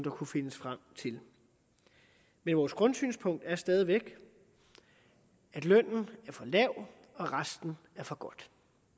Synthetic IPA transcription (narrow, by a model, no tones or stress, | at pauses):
d̥ɑ̈kʰufe̝nəsfʁam̰t͡sʰe̝l | menʋɒːsɡ̥ʁɔ̽nsy̰ːnspʰɔ̽ŋ̰d̥æɐsd̥ɛːð̞ˠiʋeɡ̥ | æd̥lœn̰n̩æɐfɒ̽lɛʊ̰ | ɒ̽ʁasd̥n̩ | æɐfɒ̽ɡ̥ɒ̽d̥